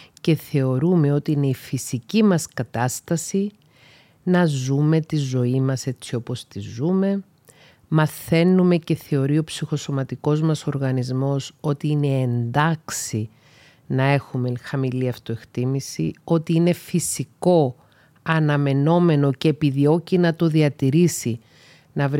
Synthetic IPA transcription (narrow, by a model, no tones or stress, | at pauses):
ce̞θe̞o̞ɾume̞o̞t̪iine̞ifisicimɐskɐt̪ɐst̪ɐsi | nɐzume̞t̪izo̞imɐse̞t͡sio̞po̞st̪izume̞ | mɐθe̞nume̞ce̞θe̞o̞ɾio̞psixo̞so̞mɐt̪iko̞zmɐso̞ɾɣɐnizmo̞so̞t̪iine̞ːnd̪ɐksi | nɐe̞xume̞xɐmiliɐft̪oe̞kt̪imisio̞t̪iine̞fisiko̞ | ɐnɐme̞no̞me̞no̞ce̞ːpiðio̞cinɐt̪o̞ðiɐt̪iɾisi | nɐv